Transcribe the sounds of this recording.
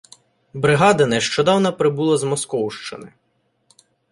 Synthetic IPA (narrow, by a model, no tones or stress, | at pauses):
bɾɪɦɑd̪ɐnɛʃt͡ʃɔd̪ɑwnɐpɾɪbulˠɐzmɔskɔwʃt͡ʃɪnɪ